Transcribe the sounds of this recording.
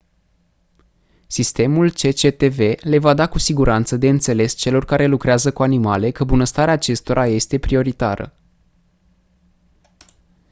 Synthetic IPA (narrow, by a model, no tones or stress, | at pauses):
sist̪e̞mult͡ʃe̞t͡ʃe̞t̪e̞ve̞le̞vad̪akusiɡuɾʔant̪səd̪e̞ɨnt̪se̞le̞st͡ʃe̞lo̞rkaɾe̞lukɾeazəkuanimale̞kəbunəst̪aɾeaːt͡ʃe̞st̪o̞ɾʔaje̞st̪e̞pɾio̞ɾit̪a̰ɾə̰